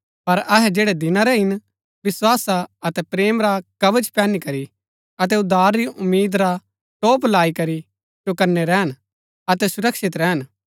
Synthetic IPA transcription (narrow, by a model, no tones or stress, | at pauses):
pɐɾɐɦɛd͡ʒeːɽɛd̪ɪnãɾɛɦɪn | ʋɪswaːsaɐt̪ɛpɾeːmɾakɐʋət͡ʃpɛːnikɐɾi | ɐt̪̬ɛʊd̪aːɾːiʔʊmːiːd̪ɾa | ʈoːplaːikɐɾi | d͡ʒokɐɾnɛɾɛːɦən | ɐt̪ɛsʊɾɐkʃɪt̪ɾɛɦən